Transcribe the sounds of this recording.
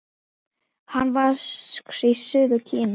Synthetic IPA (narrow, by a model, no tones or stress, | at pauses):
hanːvasksisʏːðʏcʰɪːm